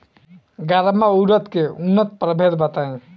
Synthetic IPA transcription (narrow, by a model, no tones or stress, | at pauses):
ɡaɾəmauɾət̪keunːət̪̚pɾəbʱed̪bət̪aj̃